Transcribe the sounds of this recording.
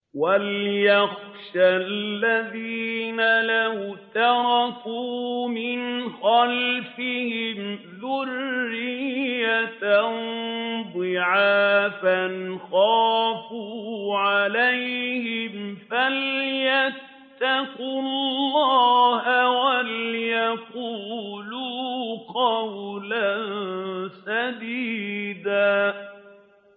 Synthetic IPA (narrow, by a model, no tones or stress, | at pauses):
waljaxʃalːaðiːnalahʊt̪ɑɾˤɑkuːmɪnxalfɪhɪmðʊrːɪjjːat̪annd̪ˤɨʕaːfanxaːfuʕalajhɪmfalja | t̪ːaqʊllːɑːhawaljaquːluːqɑwlansad̪iːd̪aː